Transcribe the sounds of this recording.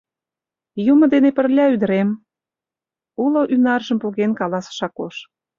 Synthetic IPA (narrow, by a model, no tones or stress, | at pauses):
jumɤ̆d̪enepə̆rlʲɑyd̪ə̆ɾem | uloʔynɑrʒə̆mpolɣenkɑlɑsʃɑkoʃ